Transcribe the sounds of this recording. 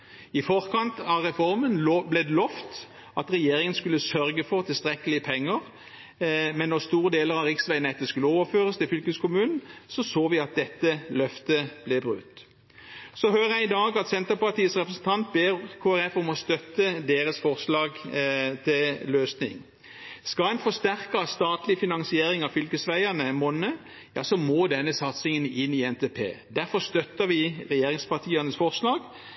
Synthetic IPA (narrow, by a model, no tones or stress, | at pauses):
ɪfɔʁkʰɑnt̪ɑʋʁɛfɔʁmənblɛd̪lɔft̪ | ɑt̪ʁɛjeːɾɪŋənskʉlːəsœɾɡəfɔʁt̪ʰɪlst̪ʁɛkəlɪəpʰɛŋːəʁ | mɛnːɔʁst̪uːʁəd̪eːləɾɑʋʁɪksʋæɪnɛt̪ːəskʉlːəoːʋəɾføːʁəst̪ɪlfʏlkəskʊmʉːnn̩sɔsoːʋɪɑt̪̚d̪ɛt̪ːəlœft̪əb̥lɛbʁʉ̰t̪ː | sɔhøːɾəjæɪɪd̪ɑːɡɑt̪sɛnt̪əɾpɑʁt̪iːəsʁɛpʁəsn̩t̪ʰɑnt̪̚beːʁkʰoːæɾɛfɔmɔst̪œt̪ːəd̪eːʁəsfɔʁslɑːɡt̪ʰɪlløːsnɪ̰ŋ | skɑlɛɪnfɔst̪æʁkəst̪ɑːt̪lɪfɪnɑŋsɪeːɾɪŋɑʋfʏlkəsʋæɪɑnəmɔnə | jɑ̰ːsɔmoːd̪ɛnːəsɑt̪sɪŋənɪnɪɛnt̪ʰeːpʰḛːd̪æɾfɔst̪œt̪ːəʋɪʁɛjeːʁɪŋspɑt̪ʰiːɑnəsfɔʁslɑːɡ